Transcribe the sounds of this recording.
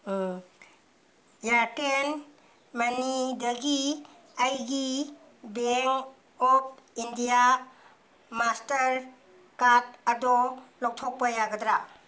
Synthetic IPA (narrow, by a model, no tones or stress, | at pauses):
jaten | manidɐɡi | ajɡi | beŋ | ɔp̚ʰindija | mastəɾ | katɐdɔlɔwtʰɔk̚pajaɡɐdɾa